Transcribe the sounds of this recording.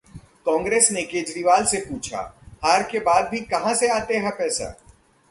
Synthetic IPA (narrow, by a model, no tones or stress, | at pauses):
kɔ̃ːŋɡɾeːsnekeːd͡ʒɾiʋaːlsepuːt͡ʃʰa̰haːɾkebaːd̪̚bʱikɐɦãseaːt̪eɦɛ̃pɛːsa̰ː